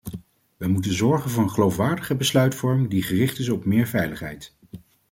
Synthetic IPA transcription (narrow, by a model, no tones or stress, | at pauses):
ʋəmutənzɔɹχənvʊːɹənχəlowfʋaːɹdəχəbəslœɥtfɔɹmdiχərɪχtɪsɔpmɪːɹvɛjləχɦɛ̰jt